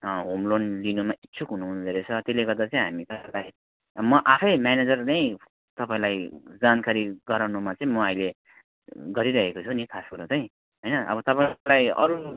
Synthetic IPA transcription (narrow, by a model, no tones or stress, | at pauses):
ɦomlonlinumaʔitːsʰukɦunuɦunud͡zʌɾet͡sʰʌt̪eleɡʌrd̪at͡sʌĩɦamikada | mʌʔapʰʌjmjaned͡zʌrnʌj | t̪ʌpaĩlajd͡zankaɾiɡʌɾawnumat͡sʌĩmʌajle | ɡʌɾiɾʌɦekot͡sʰunikʰaskuɾʌt͡sʌĩ | ɦʌjnʌʔʌ̰bʌt̪ʌpalajʌ̰ɾu